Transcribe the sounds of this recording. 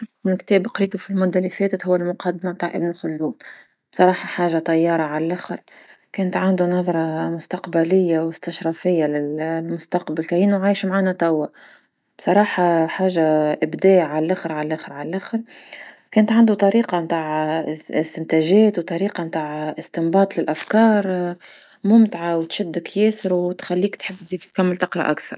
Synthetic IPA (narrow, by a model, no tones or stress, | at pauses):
ɪbnkt̪eːbqɾiːbafilmʊd̪ːalifeːt̪ɪt̪hʊwːalmʊqɑd̪ːamabt̪aːʕʔɪbnxʊlːuːn | b̥sˤɑɾˤɑːħɑħaːʒat̪ˤɑjːɑːɾˤɑʕallʔaxɪɾ | keːnat̪ʕand̪unɑðˤɾˤɑmʊst̪aqbalɪjːawɪst̪aʃɾˤɑfɪjːalɪlmʊst̪aqbalkajɪnːuʕaːjʃmʕaːnat̪ˤawːa | b̥sˤɑɾˤɑːħɑħaːʒːaʔɪbd̪æːʔʕallʔæxɪɾʕallʔæxɪɾʕallʔæxɪɾ | kɛːnt̪ʕand̪ut̪ˤɑɾiːqɑmt̪aːʕɪst̪ɪnt̪æʒɛːt̪wt̪ˤɑɾiːqɑmt̪aːʕʔɪst̪ɪmbɑːt̪ˤlɪlʔafkɑːɾˤ | mʊmt̪ʕawt̪ʃɪd̪ːɪkjɛːsɪɾwt̪xælːiːkt̪ħɪbːt̪ziːd̪t̪kamːɪlt̪ɪqɾˤɑ̰ʔakθɑ̰ɾˤ